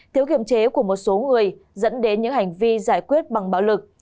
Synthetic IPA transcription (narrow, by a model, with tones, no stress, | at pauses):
t̪ʰi˧˩əwki˨˧˩əmt͡ɕe˨˦ku˧˩əmo˨˩t̚so˨˦ŋɨ˨˩əjzə̰˧˥nɗe˨˦nɲɨ̰˧˥ŋha˨˩jŋ̟vi˧zaː˧˩jkwi˦˥ət̚ɓa˨˩ŋɓaː˨˦wlɨ˨˩k̚